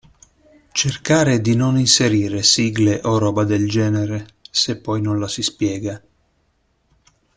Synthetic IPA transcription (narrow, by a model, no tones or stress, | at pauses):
t͡ʃerkaːɾed̪inoninseɾiːɾesiːɡleʔoɾɔːbad̪eld͡ʒɛːneɾesepːɔjnonlasispjɛːɡa